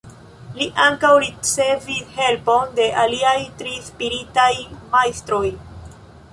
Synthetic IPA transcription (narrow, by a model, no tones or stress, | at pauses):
liʔaŋkawɾit͡se̞vishe̞lpo̞nde̞ʔaliajtɾispiɾitajmajstɾo̞j